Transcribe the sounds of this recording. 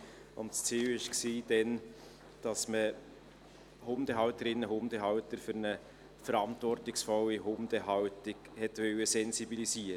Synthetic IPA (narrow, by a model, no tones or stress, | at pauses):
ʊntst͡siːwɪʃksiːd̥ɛn | d̥ɑsmə | hʊmd̥əɦɑwtəɾɪnːəɦʊmd̥əɦɑwtəɾfʏɾnə | fəɾɑntvɔrtɪksfɔlːiɦʊmd̥əɦɑʊtɪkhɛtʋœwəsɛnsibilisiːɾ